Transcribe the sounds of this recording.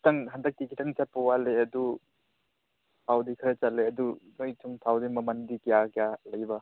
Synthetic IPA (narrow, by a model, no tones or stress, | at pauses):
kitaŋɦandak̚tikʰitaŋt͡ʃat̚pɔwaleɐdu | pʰawdikʰɐɾet͡ʃalːeɐdunojtʰuŋtʰawdimɐmandikijakjalɐjbɐ